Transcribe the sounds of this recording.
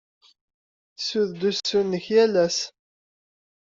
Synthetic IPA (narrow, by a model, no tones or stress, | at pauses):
suðd̪usːunːəçjælæs